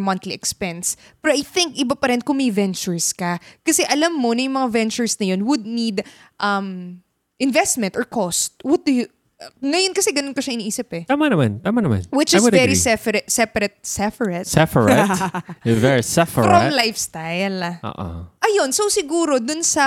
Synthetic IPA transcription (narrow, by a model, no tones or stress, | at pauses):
mɐ̃nt̪liʔɛkspɛns | pɛɾoʔajθɪŋkʔɪbapɐɾɪnkʊŋmɐjvɛnt͡ʃʊɹskɐkɐsɛʔɐlɐmːonɐjʊŋmɐŋavɛnt͡ʃʊɹsnɐjo̞nwʊd̪̚nid̪ | ʔɐm | ʔɪnvɛst̪̚mɛnt̪ʔɔɹkost̪̚wɔt̪̚d̪ʊj | ŋɐjonkɐsɛɡɐnonkɐʃɐʔɪniːʔiːsɪpɛt̪aːmanɐmant̪aːmaɐnɐmã̰nwɪt͡ʃɪsvɛɾisɛfɛɾɛt̪sɛpɐɾɛt̪̚sɛfəɹɛt̪sɛfəɹt | vɛɹisɛfəɾomlajfst̪ajlʔo̰ːʔo̰ʔɐjo̞nsowsɪɡuːɾo̞d̪ʊnsɐ